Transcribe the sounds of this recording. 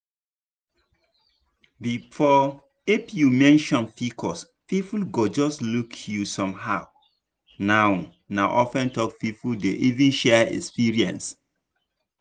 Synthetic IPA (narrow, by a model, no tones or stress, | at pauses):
bifɔ | ifjumɛ̃nʃɔ̃nfikʰɔs | fifulɡod͡ʒɔstlukʰjusɔ̃mɦaʊ | naʊ | naʔɔfɛ̃ntɔkfifuldeʔivĩnʃɛɛ̰kspiɹiɛ̰̃ns